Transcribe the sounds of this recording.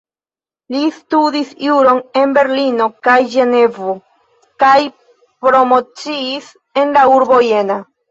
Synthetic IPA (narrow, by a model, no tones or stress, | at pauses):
listudisjuɾo̞ne̞nbe̞ɾlino̞kajʒe̞ne̞vo | kaj | pɾo̞mo̞t͡siːs | e̞nlauɾbo̞je̞na